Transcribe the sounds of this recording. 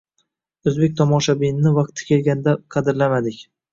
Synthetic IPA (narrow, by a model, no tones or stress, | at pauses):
ozbe̞k̚ʲt̪ʰɒmɒʃabinɪnɪvɑq̚t̪ʰɪ̥kʲe̞lɡʲand̪aqʰɑd̪ɪɾlamad̪ɪkʲ